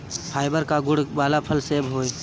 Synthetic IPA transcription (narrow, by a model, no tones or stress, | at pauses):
pʰaːɪbəɾkaɡʊɽ̤baːlapʰəlsebɦoːe